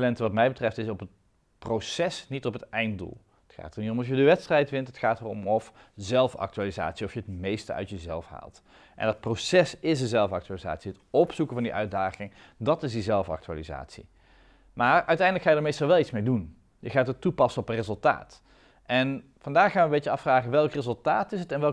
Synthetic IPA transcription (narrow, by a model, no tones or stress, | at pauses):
lɛntəʋɑtmɛjbətrɛftɪsɔpət | prowsɛsnitɔpətɛjntdṵlˠ | ətxa̰ːtəɹnitɔmɑfjədəʋɛtstrɛjtʋɪntɦətxaːtərɔmɔfzɛlˠfɑ̰k̚tyaːliza̰ːtsiɔfjəətmejstə̰œ̰ɥtjəzɛlˠfɦa̰ːlˠt | ʔɛ̰ndɑt̚prowsɛsɪs̬dəzɛlˠfɑk̚tyaːliza̰ːtsiətɔpsukəvɑndiʔœɥ̚daːχɪŋ | dɑtɪzdizɛlˠfɑ̰k̚tya̰ːliza̰ːtsḭ | maːɹœɥtɛjndləkxaːjədəɹmejstɑlˠʋɛlˠitsmejdun | jəχaːtətupɑsənɔpənrezɵlˠta̰ːt | ʔɛn | vɑndaːχχaːnʋəmbejt͡ʃəɑfraːχəʋɛlˠkrezəlˠtaːtɪsətɛnʋɛl